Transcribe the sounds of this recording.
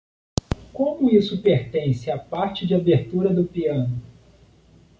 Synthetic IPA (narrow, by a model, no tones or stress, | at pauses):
kõmʊisʊpeɾt̪ẽsɪapaɾt͡ʃɪd͡ʒɪabeɾt̪uɾɐd̪ʊpiɐ̃nʊ